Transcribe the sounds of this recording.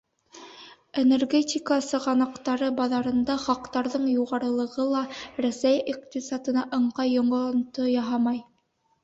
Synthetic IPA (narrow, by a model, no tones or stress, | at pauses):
enerɡʲetʲikasɤʁɑnɑqt̪ɑɾɤbɑðɑɾɤ̆nd̪ɑχɑqt̪ɑɾðɤɴjuʁɑɾɤ̆lˠɤ̆ʁɤlˠɑɾæsæjiqt̪ʲisat̪ɤ̆nɑʔɤ̆ɴqɑjːŏɴŏnt̪ojɑɦɑmɑj